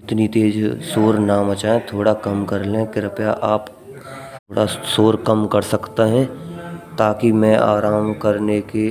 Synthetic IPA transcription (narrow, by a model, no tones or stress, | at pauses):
ɪt̪nit̪eːd͡ʒsoːɾnaːmət͡ʃaːẽt̪ʰoːɽakɐmkɐɾlẽkɪɾəpjaʔaːpʰ | oɽasoːɾkɐmkɐɾsɐkt̪aɦɛ̃t̪aːkimɛ̃ʔa̰ːɾaːmkɐɾneke